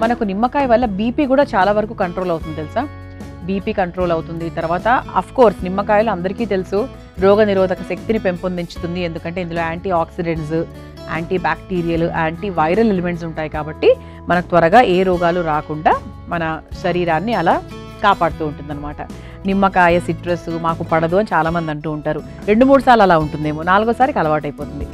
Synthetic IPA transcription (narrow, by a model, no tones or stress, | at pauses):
mɐnɐkunimːɐkaːjʋɐlːɐbiːpiːkuːɽaːt͡ʃaːlaːʋɐɾɐkuːkɐɳʈɾo̞ːlɐwt̪und̪t̪elusaː | biːpiːkɐɳʈɾo̞ːlɐwt̪und̪it̪ɐɾʋaːt̪ɐɐ̰pʰko̞ːɾsnimːɐkaːjɐluɐnd̪ɐɾikiːt̪e̞lusu | ɾɔːɡɐniɾɔːd̪ɐkɐʃek̚t̪inipe̞mpond̪iɲt͡ʃu̥t̪und̪ie̞nd̪ukɐɳʈe̞ːind̪ulo̞ːaːɳʈiaːksiɖe̞ɳʈs̬ | a̰ːɳʈiːbaːkʈiːɾijɐluʔaːɳʈiʋɐjɾɐlelime̞ɳʈs̬uɳʈaːjikaːbɐʈːi | mɐnɐkut̪ʋɐɾɐɡaːʔeːɾɔːɡaːluɾaːkuɳɖaː | mɐnɐʃɐɾiːɾaːnːiɐlaː | kaːpaːɽut̪uːɳʈund̪ɐnːɐmaːʈɐ̰ | nimːɐkaːjɐsiʈɾesumaːkupɐɽɐd̪uɐnit͡ʃaːlaːmɐnd̪iɐɳʈuːuɳʈaːɾu | ɾe̞ɳɖumuːɽusaːlɐlaːuɳʈund̪eːmoːnaːluɡoːsaːɾikɐlɐʋaːʈɐjpoːt̪und̪i